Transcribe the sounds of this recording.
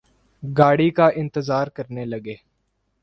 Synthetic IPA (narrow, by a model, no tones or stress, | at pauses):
ɡaːɽiːkaːʔɪ̃nt̪əzaːɾkəɾneləɡeː